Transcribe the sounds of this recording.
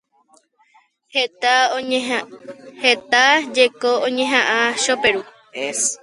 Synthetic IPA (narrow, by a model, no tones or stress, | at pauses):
hea | het̪ad͡ʒekoõɲẽɦãʔãʃopeɾu | es